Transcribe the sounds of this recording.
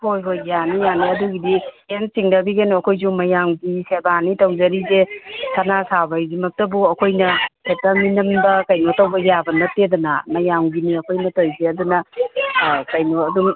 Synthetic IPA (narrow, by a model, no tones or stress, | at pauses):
hojɦojɡjanijaniɐduɡidi | ensiŋdɐbiɡenoɐkʰojzuŋmɐjaŋɡisebanitɐwzɐɾizesʰɐnasabajdimɐk̚tɐbuɐkʰojnɐhetaminɐmbɐkɐjnotɐwbɐjabɐnɐtːedɔnɐ̰mɐjaŋɡiniɐkʰojnɐtojzeɐdunɐ | kɐjnoɐduŋ